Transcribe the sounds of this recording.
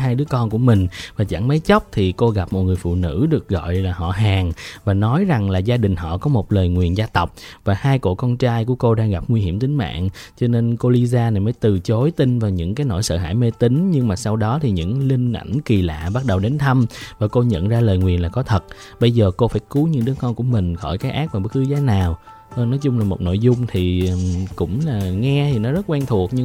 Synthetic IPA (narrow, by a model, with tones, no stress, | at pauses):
ɦaː˧jɗɨ˨˦əkɔ˧nku˧˩əmï˨˩ŋ̟vaː˨˩t͡ɕa̰˧˩ŋmə˨˦jt͡ɕə˦˥k͡p̚t̪ʰi˨˩ko˧ɣa˨˩p̚mo˨˩t̚ŋɨ˨˩əjfṵ˧˨nɨ̰˧˥ɗɨ˨˩ək̚ɣɔ̰˧˨jlaː˨˩ɦɔ̰˧˨ɦaː˨˩ŋvaː˨˩nɔ˨˦jza˨˩ŋlaː˨˩zaː˧ɗï˨˩ŋ̟ɦɔ̰˧˨kɔ˨˦mo˨˩t̚ləː˨˩jŋwi˨˩ənzaː˧t̪ə˨˩wk͡p̚vaː˨˩haː˧jko̰˧˨kɔ˧nt͡ɕaː˧jku˧˩əko˧ɗaː˧ŋɣa˨˩p̚ŋwi˧ɦi˧˩əmt̪ï˨˦ŋ̟ma̰ː˧˨ŋt͡ɕɔ˧ne˧nko˧li˧zaː˧na˨˩jməː˨˦jt̪ɨ˨˩t͡ɕo˨˦jt̪ï˧ŋvaː˨˩wɲɨ̰˧˥ŋkaː˨˦jno̰˧˥˩jsə̰ː˧˨ɦa̰ː˧˥˩jme˧t̪i˨˦ŋ̟ɲɨ˧ŋmaː˨˩sa˧wɗɔ˨˦t̪ʰi˨˩ɲɨ̰˧˥ŋlï˧ŋ̟ʔa̰˧˩jŋki˨˩la̰ː˧˨ɓa˦˥t̚ɗə˨˩wɗe˨˦nt̪ʰə˧mvaː˨˩ko˧ɲə̰˧˨nzaː˧ləː˨˩jŋwi˨˩ənlaː˨˩kɔ˨˦t̪ʰə˨˩t̚ | ɓə˧jzəː˨˩ko˧faː˧˩jku˨˦ɲɨ̰˧˥ŋɗɨ˨˦əŋkɔ˧nku˧˩əmï˨˩ŋ̟xɔ̰˧˩jkaː˨˦jʔaː˦˥k̚vaː˨˩ɓə˦˥t̚kɨ˨˦zaː˨˦naː˨˩w | nɔ˨˦jt͡ɕʊ˧ŋ͡mlaː˨˩mo˨˩t̚no̰˧˨jzʊ˧ŋ͡mt̪ʰi˨˩˨kʊ̰˧˥ŋ͡mlaː˨˩ŋɛ˧t̪ʰi˨˩nɔ˨˦zə˦˥t̚kwɛ˧ŋt̪ʰu˨˩ək̚ɲɨ˧